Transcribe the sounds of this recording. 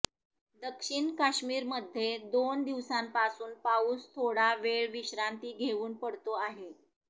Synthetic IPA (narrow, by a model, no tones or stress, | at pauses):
d̪əkʂiɳkaɕmiːɾməd̪ʱːjed̪ond̪iʋsampasuːnpauːst̪ʰoɽaʋeɭʋiɕɾant̪iːɡʱeʋuːnpəɽt̪oaɦe